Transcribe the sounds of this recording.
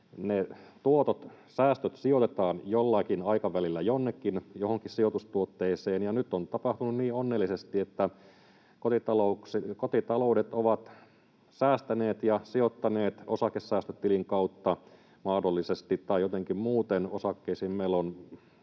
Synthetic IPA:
net̪uot̪ot̪ | sæːst̪øt̪siot̪et̪ɑːnjolːɑkinɑikɑʋælilːæjonːekːinjohoŋkissiot̪ust̪uot̪ːeːseːnjɑnyt̪ːont̪ɑpɑht̪ununniːonːelːisest̪iet̪ːæ | kot̪it̪ɑloukskot̪it̪ɑloudet̪oʋɑt̪ | sæːst̪æneːt̪jɑsiot̪ːɑneːt̪osɑkesːæːst̪øt̪ːiliŋkɑut̪ːɑ | mɑːdolːisest̪it̪tɑijot̪eŋkimmuːt̪enosɑkːeisiːmmeilːon

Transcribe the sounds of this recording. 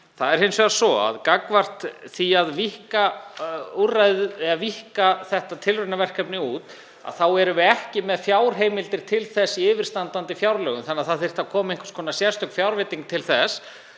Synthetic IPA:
θaðɛɾhejnsvɛðasɔa̰ðkakvar̥t̪θiaðvihka | urajðʏaðvihkaθɛht̪at̪ʰɪlrʏnavɛr̥kɛpnɪuːt̪ | a̰ðθawɛɾʏvɪɛhcɪmɛðfjaːwɾ̥ɦeːjmɪlt̪ɪɾ̥t̪ʰɪlθɛsːiɪːvɪɾ̥st̪ant̪ant̪ɪfjawɾlœːɣʏmθanːaðθaðθɪr̥t̪aðkʰɔːmʏeŋkʰʏ̥skʰɔːnasjɛ̥st̪œkfjawɾvɪt̪iŋk̚t̪ʰɪlθɛs

